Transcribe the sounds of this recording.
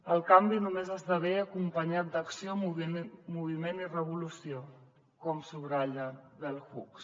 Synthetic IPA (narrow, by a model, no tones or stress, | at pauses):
əlˠkambinumezazðəβeəkumpəɲat̪̚d̪əksiouβmuβimenirəβulusio | kɔmsuβɾaʎəðəlˠxuks